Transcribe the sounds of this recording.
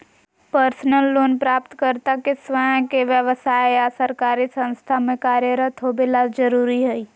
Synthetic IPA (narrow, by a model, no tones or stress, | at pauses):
pəɾsnəlːonpɾapt̪kəɾt̪akesʋəj̃keʋjəʋəsajeasəɾkaɾisə̃nst̪ʰamekaɾjəɾət̪ɦobelad͡ʒəɾuɾiɦəi